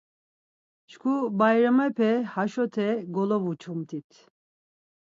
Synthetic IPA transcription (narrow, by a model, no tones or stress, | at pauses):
t͡ʃkʰubajɾamɛpʰɛhaʃɔt̪ʰɛɡɔlɔvut͡ʃʰumt̪ʰit̪ʰ